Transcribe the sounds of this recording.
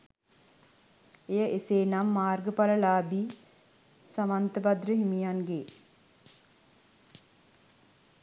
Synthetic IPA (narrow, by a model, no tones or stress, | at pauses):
ejəʔeseːnamːaːrɡəpaləlaːbi | samant̪əbad̪rəɦimijanɡe